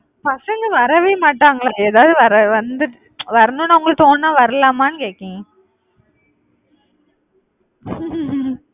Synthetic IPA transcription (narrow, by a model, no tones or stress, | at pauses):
pɐsɐŋɡɯʋɐɾɐʋeːmaːʈːaːŋɡɐɭaɛðaːʋðɯʋɐɾɐʋɐnd̪ɯ | ʋɐɾɐnʊ̃nɐʋʊŋɡɐɭt̪oːnnãːʋɐɾɐlaːmaːnɯkeːkːẽŋɐ